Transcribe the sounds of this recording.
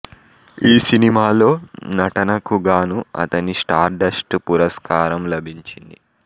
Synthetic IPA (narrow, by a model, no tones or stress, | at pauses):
iːsinimaːlo̞ːnɐʈɐnɐkuɡaːnuɐ̰t̪ɐnisʈaːɾɖɐsʈpuɾɐskaːɾɐmlɐbʱiɲt͡ʃind̪i